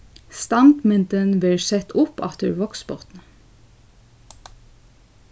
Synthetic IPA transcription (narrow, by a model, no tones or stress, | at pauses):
st̪ɑnd̪mʉnt̪ənʋeːsɛt̪ʊpɑ̰t̪ʰəɹʋɔksbɔʁt̪n̩